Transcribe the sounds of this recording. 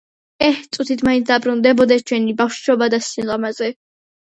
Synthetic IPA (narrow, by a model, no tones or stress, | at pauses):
ɛht̪sʼut̪ʰit̪ʰmainsd̪abɾund̪ɛbɔd̪ɛst͡ʃʰwɛnibafʃʃɔbad̪asilˠɔmazɛ